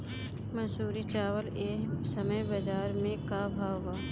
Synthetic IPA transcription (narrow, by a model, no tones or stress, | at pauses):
mɐsuːɾit͡ʃaːwəleːsəməjbɐd͡ʒaːɾmẽkabʱaʋaː